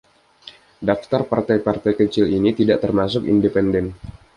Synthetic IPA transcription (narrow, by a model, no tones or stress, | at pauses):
daft̪arpart̪ajpart̪ajkət͡ʃɪlinit̪idaʔt̪ərmasʊkḭndepɛndɛn